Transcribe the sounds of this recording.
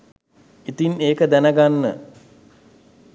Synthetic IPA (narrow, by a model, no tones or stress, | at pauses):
it̪ineːkəd̪ænəɡanːə